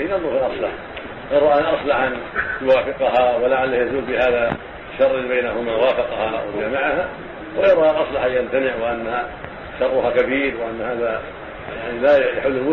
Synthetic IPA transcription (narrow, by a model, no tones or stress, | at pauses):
ɪnalːˤuːhlʔɑsˤlɑħ | ɣɑɾˤɑʔanʔɑsˤlɑħʔanjʊwaːfɪqɑɦawɪlaʕalːahjazuːlbɪhaːða | ʃɑrˤːɑbajnaɦʊmawaːfɪqɑhɑwɪd͡ʒaːmɪʕaha | wʔɑɾˤɑːʔanʔɑsˤlɑħajamt̪anɪʕwɪʔanːha | ʃɑrˤːʊhakabiːɾwɪʔanːhaːða | jaʕnilajaħʊlːɪlmʊ